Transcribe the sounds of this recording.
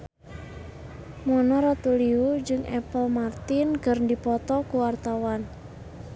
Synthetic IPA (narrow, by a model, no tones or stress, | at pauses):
mɔnɔɾɔt̪uliud͡ʒɨŋɛ̰pəlmart̪ɪnɡərndipɔt̪ɔkuwart̪awan